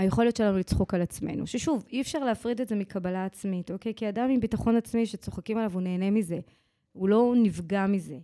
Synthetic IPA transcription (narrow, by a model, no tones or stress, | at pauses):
ajeχo̞ljotʃe̞lanulit͡sχo̞kalat͡smḛnṵʃeʃuviɛfʃaʁleafʁidetze̞mikʰabalaːt͡smito̞ke̞jkiadamimbitaχo̞nat͡smiʃet͡so̞χakimalavune̞ːne̞mize̞ | ulo̞nivɡamize̞